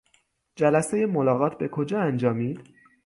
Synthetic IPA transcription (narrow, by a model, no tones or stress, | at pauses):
d͡ʒælæsejemo̞lɒːɣɒːt̪̚ʰbe̞kʰo̞d͡ʒɒːænd͡ʒɒːmiːd̪̥